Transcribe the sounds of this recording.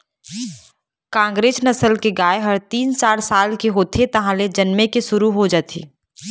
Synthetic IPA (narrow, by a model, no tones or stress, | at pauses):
kãːŋɡɾeːd͡ʒnɐsəlkeɡaːeɦəɾt̪iːnt͡ʃaːɾsaːlkeɦoːt̪ʰet̪ɐɦãled͡ʒɐnmẽkeʃʊɾuɦod͡ʒaːt̪ʰḭː